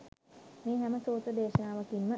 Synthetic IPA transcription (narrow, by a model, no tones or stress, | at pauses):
meːɦæməsoːt̪ɾəd̪eːʃənaːʋəkinmə